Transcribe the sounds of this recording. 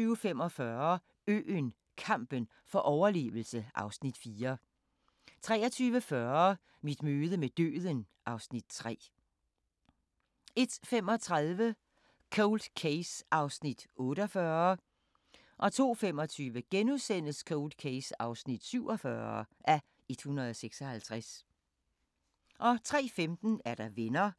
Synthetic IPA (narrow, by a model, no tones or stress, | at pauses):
yːʊfem̰ɒ̽fɶɐ | ø̰ːn | kʰɑ̈m̰b̥ən | fɒ̽ʔɒʊɐle̝̰ːʋl̩səʔɑ̈ʊsnid̥fiːɐ | t͡sʰʁɛːɐt͡sʰyːʋəfɶɐ | mid̥møːð̞ˠəmed̥ø̰ːð̞ˠən | ʔɑ̈ʊsnid̥̚t͡sʰʁɛ̰ː | e̝d̥femɒ̽t͡sʰʁaðˠʋə | kʰoʊld̥kʰeɪsɑ̈ʊsnid̥ɔ̽ːɾɒfɶɐ | ʔɒ̽t͡sʰo̝̰ːfem̰ɒ̽t͡sʰyːʋəɡ̥enuðˠsen̰əskʰoʊld̥kʰeɪsɑ̈ʊsnid̥syʊ̰ɒ̽fɶɐʔæ | e̝d̥hunɐð̞ˠɒseɡ̥sɒ̽hælt͡sʰʁas | ʔɒ̽t͡sʰʁɛ̰ːfemd̥n̩æɐɾ̥ɑ̈ʋenɐ